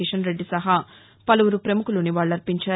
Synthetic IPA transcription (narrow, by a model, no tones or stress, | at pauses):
iʃɐnɾe̞ɖːisɐɦaː | pɐluʋuɾupɾemukuluniʋaːɭːɐɾpiɲt͡ʃaː